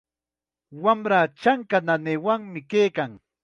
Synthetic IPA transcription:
wamɾaːt͡ʃaŋkananeːwaŋmɪkeːjkaŋ

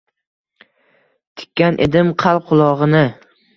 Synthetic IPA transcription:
t̪ʰɪ̥kʲʰːanʔḛd̪ɪmqʰɑl̚ˠqʰʊlˠɒʁɨnɪ

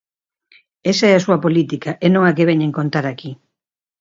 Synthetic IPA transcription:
esaɛasuɐpolit̪ikaʔenõŋakeβɛɲẽŋkont̪aɾaki

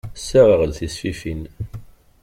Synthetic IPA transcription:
sːæʁəʁəlθisfifin

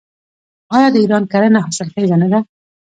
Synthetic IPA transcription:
ɑjɑd̪əiɾɑnkaɾənaɦɑsɪlkaɡ̪anad̪a

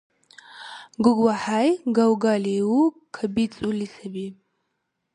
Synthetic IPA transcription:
ɡʊɡwaħajɡawɡaːlewu | kʰɐbit͡sʼulisɐbi

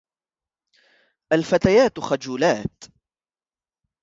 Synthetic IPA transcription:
ʔalfat̪ajaːt̪xad͡ʒuːlaːt̪

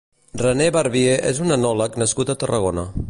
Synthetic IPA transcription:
rəneβaɾβieʔḛzunənɔləknəskut̪ət̪ərəɣonə

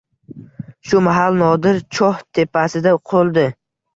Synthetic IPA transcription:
ʃʊmaɦalnɒd̪ɪɾt͡ʃʰɒht̪ʰe̞pʰasɪd̪aqʰolˠd̪ɪ

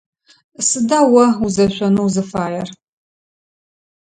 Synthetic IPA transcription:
sɨdaːwɐuzɐɕʷɔnuwzɨfaːjɛr

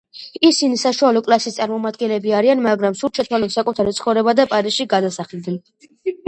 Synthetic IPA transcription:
isinisaʃualɔkʼlˠasist̪sʼaɾmɔmad̪ɡɛnlɛbiaɾianmaɡɾamsuɾt͡ʃʰɛt̪ʰwalɔt̪sakʼut̪ʰaɾit̪sʰχɔvɾɛbad̪apʼaɾisʃiɡad̪asaχɛlˠd̪nɛn

